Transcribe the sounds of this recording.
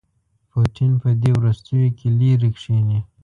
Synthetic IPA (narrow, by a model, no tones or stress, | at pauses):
poʈinpəd̪ewɾust̪əjokʰeliɾikʂeni